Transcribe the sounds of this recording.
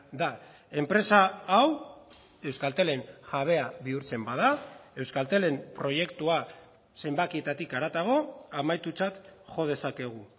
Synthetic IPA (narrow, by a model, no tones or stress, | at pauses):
d̪a | e̞mpɾe̞saːw | e̞wskalt̪e̞le̞ŋʝaβ̞e̞aβiuɾt͡se̞mbað̞ae̞wskalt̪e̞le̞mpɾo̞je̞kt̪ua | se̞mbakie̞t̪at̪ikaɾat̪aɣ̞o̞amajt̪ut͡sat̪ʝo̞ð̞e̞sake̞ɣ̞u